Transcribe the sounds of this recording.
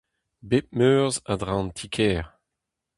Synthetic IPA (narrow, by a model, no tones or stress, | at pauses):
bep̚møːʁzadʁãntʰikʰɛːʁ